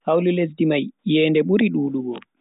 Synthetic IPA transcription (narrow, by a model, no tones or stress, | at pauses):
hawlules̬dimajjɛːndɛɓuɾiɗuːɗuɡɔ